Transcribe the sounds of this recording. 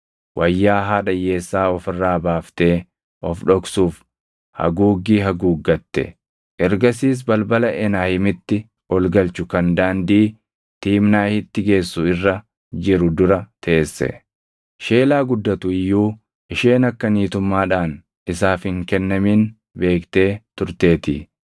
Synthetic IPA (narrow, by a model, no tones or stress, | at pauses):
wʔɐjːaːɦaːᶑɐjːe̞ːsːaːɔfɪrːaːbaːft̪e̞ː | ʔɔfᶑɔksuːf | hɐ̰ɡuːɡːiːɦɐɡuːɡːɐt̪ːɛ̰ | ʔɛɾɡɐsiːs̬bɐlbɐlɐʔɛnaːhɪmɪt̪ːɪ | ɔlɡɐlt͡ʃʊkɐnd̪aːnd̪iː | t̪iːmnaːhɪt̪ːɪɡe̞ːsːʊɪrːɐ | d͡ʒɪɾʊd̪ʊɾɐt̪ʰeeːsːɛ̰ | ʃe̞ːlaːɡʊd̪ːɐt̪ʊɪjːuː | ʔɪʃeːnɐkːɐniːt̪ʊmːaːᶑaːn | ɪsaːfhɪŋkɛnːɐmiːn | be̞ːkt̪e̞ːt̪ʊɾt̪e̞ːt̪ḭː